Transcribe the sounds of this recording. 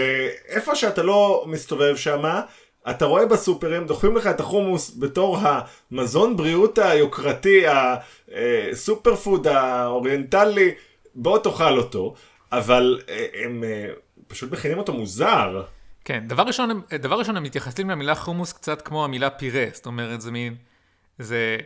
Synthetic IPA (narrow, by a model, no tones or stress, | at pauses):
eefo̞ʃeatalo̞mist̪o̞ve̞vʃama | ʔataʁo̞e̞basupe̞ʁemd̪o̞χimleχaet̪aχumusbe̞to̞ʁɦa | mazo̞nbʁiutajokʁatia | esupeʁfud̪aoʁientali | bo̞toχalo̞to̞ | avalem | pḁʃut̪meχinimo̞t̪omuzaʁke̞nd̪avaʁːiʃonemd̪avaʁiʃo̞nemit̪jaχasimeamilaχumuskt͡satkmo̞amilapiʁest̪o̞me̞ʁetzemin | ze